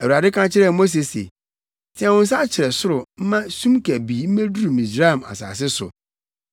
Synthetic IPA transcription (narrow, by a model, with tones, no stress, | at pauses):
æ˨wu˨ɾa˨dɪ˦kʰã˦t͡ɕʰɪ˦ɾɛ˦˨mo˦s̬e˨sḛ˨ | tʰɪ̃˦ã˨wʊ̃˦n̩˦s̬a˦t͡ɕʰɪ˨ɾɛ˨sʊ˦ɾʊ˨m̩˦mã˦sũ˦mkʰæ˨biː˨m̩˦mæ̃˦du˦ɾu˨mĩ˨sɾa˦ɛ˨m˨a̰˨sa̰ː˨s̬ɪ˦sʊ̰˨